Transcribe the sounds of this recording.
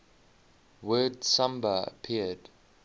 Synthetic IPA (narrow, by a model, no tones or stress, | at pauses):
wɜːdsʌ̃mbəə̰pʰiəd̥